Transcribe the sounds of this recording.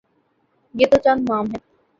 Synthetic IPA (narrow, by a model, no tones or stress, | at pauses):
jeːt̪ot͡ʃanmaːmɦɛː